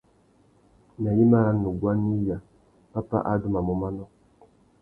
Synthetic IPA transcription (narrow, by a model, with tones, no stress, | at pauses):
na˨ji˦ma˦ɾa˦nu˨ɡwa˦ni˦ja˨ | pa˦pa̰˦ʔa̰˦du˦ma˨mɔ˦ma˦nɔ˦